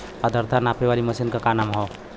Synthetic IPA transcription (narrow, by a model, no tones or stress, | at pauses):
pad̪əɾt̪ʰanapeβaliməsinkəkanamɦɔ